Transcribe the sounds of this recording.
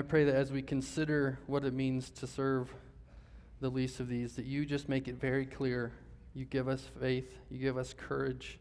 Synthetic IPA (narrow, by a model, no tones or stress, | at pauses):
aɪpʰɹ̥eɪðɨɾɨzwikʰɨ̃n̩sɪɾə˞wʌɾɨt̚mĩnz̥tʰɨsɜ˞v | ðəlistʌvðizðɨt͡ʃɨd͡ʒʌs̚meɪkɨtvɛɹikʰl̥ɪɹ | jɨɡɪvʌsfeɪθjɨɡɪvʌskʰɜ˞ɪd̥ʒ̥